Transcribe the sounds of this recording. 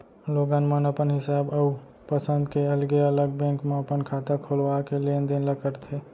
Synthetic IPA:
loːɡãːnmənəpənɦɪsaːbɐu | pəsə̃nd̪keɐlɡeɐləɡ̚bɛ̃ːŋkmẽɐpənkʰaːt̪akʰolwakelend̪enləkəɾt̪ʰeː

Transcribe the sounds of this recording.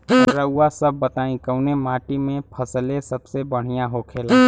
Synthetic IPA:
ɾəʊːasɐbːət̪aːĩkəʊnemaːʈimẽpʰɐslẽsɐbsebəɽ̤ijãɦokʰeːlaː

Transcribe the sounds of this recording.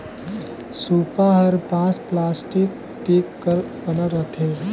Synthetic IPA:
suːpaɦəɾpãːt͡splaːsʈik | ʈeːkːəɾkənəɾət̪ʰe

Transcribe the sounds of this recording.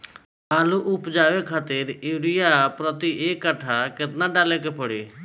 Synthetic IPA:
aːluʔʊpd͡ʒaːʋekʰaːt̪ɪɾiːɾijapɾɔt̪iʔeːkːaʈʰakɪt̪naɖaːlek̬epəɽḭ

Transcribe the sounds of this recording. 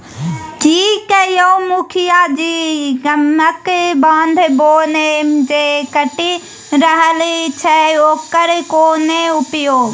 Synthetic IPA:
kikəjomukʰijad͡ʒiɡəməkbãːnd̪ʱboːned͡ʒekəʈi | ɾəɦəlit͡ʃʰɛoːkəɾkoːneupjoːɡ

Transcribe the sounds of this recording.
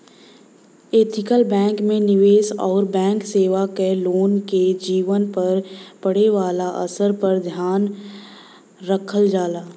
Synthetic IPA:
eːt̪ʰɪkəlbɛ̃ːŋkmẽnɪʋeːsɔːɾbɛ̃ːŋkseːʋakeloːnked͡ʒiːʋənpɐɾpɐɽ̤eʋaːlaʔɐ̰səɾpɐɾd̪ʱjaːn | ɾəkʰəld͡ʒaːlaː

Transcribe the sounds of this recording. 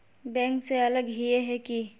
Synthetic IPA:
bɛ̃ːŋkseɐləɡɦieɦɛki

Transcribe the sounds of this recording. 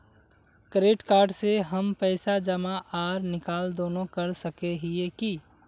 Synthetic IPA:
kɾeːʈkaːɾɖseɦəmpəɪsad͡ʒəmaʔaːɾnɪkaːld̪oːnõkəɾsəkeɦieki

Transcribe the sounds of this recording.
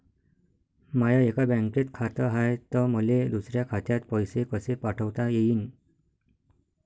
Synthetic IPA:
majaekabə̃ŋket̪kʰat̪əɦajt̪əməled̪usɾjakʰat̪jat̪̚pəjsekəsepaʈʰəʋt̪ajeiːn

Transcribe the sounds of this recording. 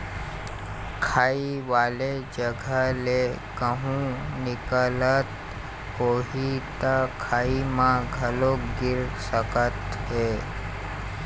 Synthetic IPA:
kʰaːiʋaːled͡ʒəɡʱəle | kəɦũnɪkələt̪ | koːɦit̪akʰaːimãɡʱəloɡɪɾsəkət̪ɦe

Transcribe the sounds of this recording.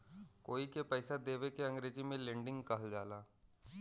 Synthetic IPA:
koːikepɛːsad̪eːʋekeɐ̃ŋɡɾeːd͡ʒimẽlɛ̃ːɳɖɪ̃ŋɡkɐɦəld͡ʒaːlaː

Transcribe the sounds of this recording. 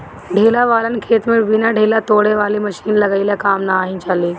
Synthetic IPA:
ɖʱeːlaʋaːlənkʰeːt̪mebinaɖʱeːlat̪oːɽeʋaːliməʃiːnlɐɡailakaːmnaːɦĩt͡ʃaːliː

